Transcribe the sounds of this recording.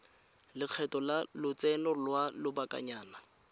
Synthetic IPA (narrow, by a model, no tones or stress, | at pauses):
lɪq͡χʰɛtʼɔlalʊt͡sʼɛnɔlwalʊbakʼa̰ɲaːna